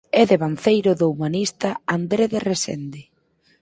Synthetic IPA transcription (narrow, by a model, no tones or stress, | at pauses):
ɛðeβan̟θejɾʊðoumanist̪aand̪ɾeðeresḛnd̪e